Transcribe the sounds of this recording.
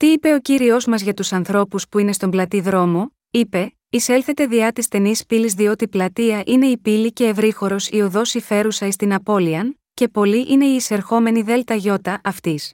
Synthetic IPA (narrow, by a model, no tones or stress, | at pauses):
t̪iipe̞o̞ciɾio̞zmɐzʝɐt̪usɐnθɾo̞puspuine̞st̪o̞mblɐt̪iðɾo̞mo | ipe̞ | ise̞lθe̞t̪e̞ðiɐt̪ist̪e̞nispilizðio̞t̪iplɐt̪iɐʔine̞ipilice̞ːvɾixo̞ɾo̞sioðo̞sife̞ɾusɐist̪inɐpo̞liɐn | ce̞po̞liʔine̞iːse̞ɾxo̞me̞niðe̞lt̪ɐʝo̞t̪ɐʔɐft̪is